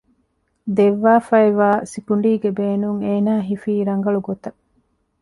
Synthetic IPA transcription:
d̪eʋːaːfɐeʋaːsikuɳɖiːɡebeːnuŋeːnaːɦifiːɾɐŋɡɐɭuɡot̪ɐ

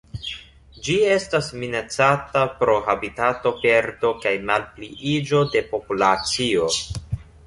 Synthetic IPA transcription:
d͡ʒie̞stasminat͡satapɾo̞ɦabitato̞pe̞ɾdo̞kajmalpliʔid͡ʒo̞de̞po̞pulat͡sio̞

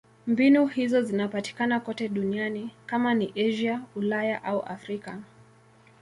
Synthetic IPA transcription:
mbinuhizɔzinapati̥kanakɔtɛɗunianikamaniʔɛʒiaulajaʔauʔa̰fɾika

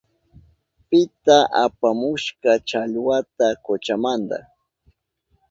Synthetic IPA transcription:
pɪt̪aʔapamʊʃkat͡ʃaʎwat̪akot͡ʃamand̪a̰χ

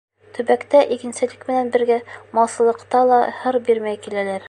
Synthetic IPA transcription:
t̪ʰɵ̆bækt̪æʔikɘ̆nsɘ̆lɘkmɘ̆nænbɘ̆ɾɡæmɑsɤ̆lˠɤ̆qt̪ɑlˠɑhɤɾbiɾmæjkilælæɾ

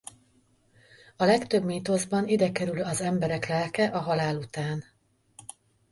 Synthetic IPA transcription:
ɒlɛkt̪øbmiːt̪o̞zbɒnid̪ɛkɛɾylɒzɛmbɛɾɛklɛlkɛʔɒɦɒlaːlut̪aːn

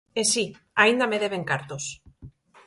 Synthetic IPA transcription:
esi | aind̪ame̞ðe̞βe̞ŋkaɾt̪os

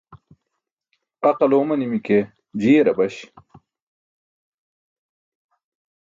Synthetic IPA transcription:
ɐqɐloːmɐnimike | d͡ʑiːɾɐbɐɕ

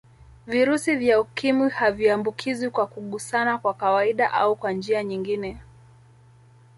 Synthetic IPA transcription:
viɾusivjaukimwihaviambukʰizwikwakuɠusanakwakawaiɗaʔa̰ukwand͡ʒiaɲiŋɡinɛ

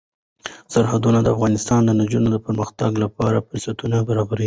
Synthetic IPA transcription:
saɾhad̪unad̪əafɣɑnɪst̪ɑnd̪ənad͡ʒunod̪əpəɾməxt̪aɡlapɑɾafʊɾsat̪unabaɾɑbaɾi

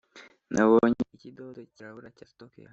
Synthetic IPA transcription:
nʔaβoɲeicid̪odociɾaβuɾacastokja̰

